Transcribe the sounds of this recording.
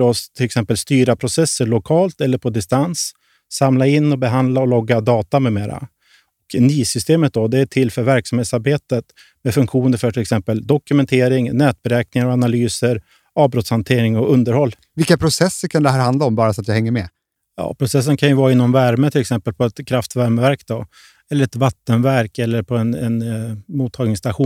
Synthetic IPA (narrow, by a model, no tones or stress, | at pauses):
ɾɔst̪ʰɪlɛksɛmpəlst̪yːɾapʰɾʊsɛsːəɭʊkʰɑːlt̪ɛlːəɾpʰɔd̪ɪst̪ansː | amlaɪnːɔbɛɦand̪laɔlɔɡːad̪ɑːt̪anɵmeːɾa̰ | ɔknyːsʏst̪eːmət̪̚d̪ɔd̪ɛæʈʰɪlːfœɾvæɾksamheːt̪saɾbeːt̪ət̪ | mɛfɵŋkɧuːnəɾfœʈʰɪlɛksɛmpəld̪ɔkɵmɛnt̪ʰeːɾɪŋnɛːt̪̚bɛɾɛːknɪŋaɾɔanalyːsəɾ | ɑːvbɾɔt̪shant̪ʰeːɾɪŋɔɵnd̪əɾhɔlː | vɪlkːapʰɾʊsɛsːəɾkʰand̪ɛhæːɾhand̪laɔmbɑːɾasɔat̪jɑhɛŋːəmɛ | jɑ̰ːpʰɾʊsɛs̬ːənkʰanjɵvɑːɾaɪnːɔmvæɾmət̪ʰɪlːɛksɛmpəlpʰɔɛt̪kʰɾaft̪væɾməvæɾkd̪ɔ | ɛlːəɾɛt̪vat̪ːənvæɾkɛlːəɾpʰɔɛnɛnmuːt̪ʰːɑːɡnɪŋst̪aɧuː